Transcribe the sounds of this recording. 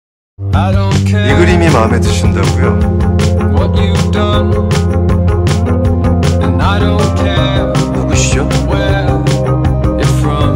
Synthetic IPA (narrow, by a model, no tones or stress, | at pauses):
aɪɾõʊ̃nkʰɛiɡɯɾimimame̞tɯɕʰindaɡujo | wʌt͡ʃɨvdʌ̃n | ɨ̃naɪɾõʊ̃nkʰɛ | uɡuɕʰid͡ʑo | wɛ | ɪtfɹʌ̃